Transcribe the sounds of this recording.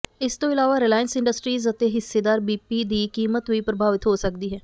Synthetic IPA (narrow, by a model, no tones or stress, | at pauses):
ɪst̪õːɪlaːʋaːɾɪlaːjənsɪ̃ɳɖəsʈɾiːzət̪eːɦɪsːeːd̪aːɾbiːpiːd̪iːkiːmət̪ʋiːpɾəbʱaːʋɪt̪ɦoːsək̚d̪iːɦɛː